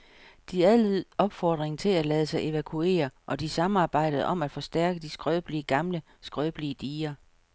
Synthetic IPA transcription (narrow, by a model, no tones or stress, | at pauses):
d̥iæðˠlið̩̰ˠɒ̽b̥fɒːd̥ʁeŋt͡sʰe̝lælɛːðˠsɑ̈ɪʔe̝ʋækʰue̝̰ːɐʔɒ̽d̥isɑ̈m̩ɑ̈ːb̥ɑ̈ɪ̰d̥əð̩ˠɒ̽mæd̥fɒ̽sd̥æɐɡ̥əd̥isɡ̥ʁœːb̥liəɡ̥ɑ̈mlə | sɡ̥ʁœːb̥liəd̥iːɐ